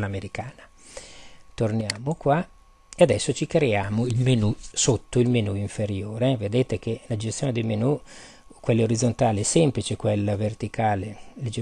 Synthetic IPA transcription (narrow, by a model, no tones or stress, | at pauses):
lameɾikaːna | t̪ornjaːmokwa | ead̪ɛsːot͡ʃikɾeaːmoilmenusot̪ːoilmenuiɱfeɾjoːɾeved̪eːt̪ekʰelad͡ʒest̪joːned̪ejmenu | kːwelːeoɾid̪zont̪aːlesɛmplit͡ʃekwelːavert̪ikaːleled͡ʒe